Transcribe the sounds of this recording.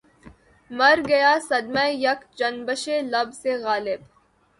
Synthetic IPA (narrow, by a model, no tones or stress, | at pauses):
mɐɾɡɐjaːsɐd̪mɛ̃jɐkd͡ʒɐnbəʃelɐbseɣaːlɪb